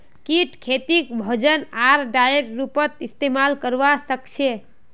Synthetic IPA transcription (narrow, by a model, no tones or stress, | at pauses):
kiʈkʰet̪ikbʱəd͡ʒənaɾɖajɾːupət̪ist̪emalkəɾʋasəkt͡ʃʰe